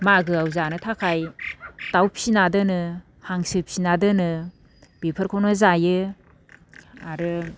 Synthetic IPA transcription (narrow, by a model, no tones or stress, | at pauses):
maɡɯawzanɯtʰakʰajtawpʰsinadɯnɯ | haŋsɯpʰsinadɯnɯ | b̥ipʰɯɾkʰownɯzajɯ | aɾɯ